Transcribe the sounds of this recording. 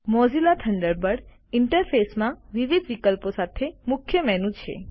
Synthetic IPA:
mɔd͡ʒilat̪ʰəɳɖəɾbəɽ | ɪɳʈəɾfesmãʋiʋid̪ʋikəlposat̪ʰemʊkʰjəmɛɦnũt͡ʃʰḛ

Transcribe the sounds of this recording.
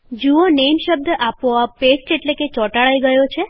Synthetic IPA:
d͡ʒuonemʃəb̚d̪ʱʔapoapesʈeʈleket͡ʃɔʈaɭajɡəjot͡ʃʰe

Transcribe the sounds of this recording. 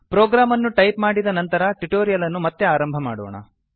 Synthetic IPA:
pɾoːɡɾaːmɐnːuʈɐjpmaːɽid̪ɐnɐnt̪ɐɾɐʈuʈoːɾijɐlɐnːumɐt̪ːe̞aːɾɐmbʱɐma̰ːɽo̰ːɳɐ̰

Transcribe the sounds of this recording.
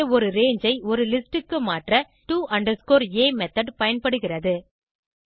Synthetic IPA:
ɐɔɾɯɾeːɲd͡ʒɐɪɔɾɯlɪsʈɯkːɯmaːʈrɐ | ʈuːʔɐɳɖɐɾskoːɾeːmɛt̪ɐɖpɐjɐnpɐɽɯɣɪrɐðɯ

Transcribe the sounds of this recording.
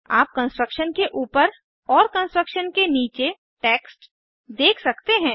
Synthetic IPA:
a̰ːp̚kə̃nsʈɾəkʃənkeʔuːpəɾ | ɔːɾkə̃nsʈɾəkʃənkeniːt͡ʃe | ʈeːksʈ | d̪eːkʰsɐkt̪eɦɛ̃ː

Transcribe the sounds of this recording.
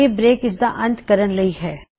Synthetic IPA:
ebɾeːkɪsd̪aʔɐ̃nt̪kɐɾənlɐiɦɛː

